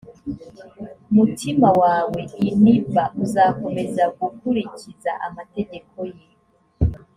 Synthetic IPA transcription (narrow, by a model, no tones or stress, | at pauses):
mutimawaːwe̞inivaʔuzako̞me̞zaɡukuɾicizaʔamate̞ɟe̞ko̞je